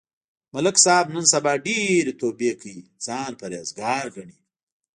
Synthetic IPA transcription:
mɐləksɑːbnənsɐbɑːɖeɾet̪oːbekʰəizɑːnpaɾjaːzɡɑːɾɡɐɳi

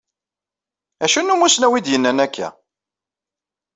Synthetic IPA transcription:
æʃunːumʊsnæwid̪jənːænækʰːæ̰

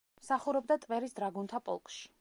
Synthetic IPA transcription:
msaχuɾɔb̚d̪at̪ʼvɛɾisd̪ɾaɡunt̪ʰapʼɔ̰lˠkʼʃi̥

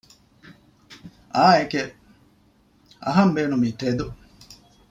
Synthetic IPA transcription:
aːeke | ɐ̰ɦɐmbeːnumiːt̪ed̪u

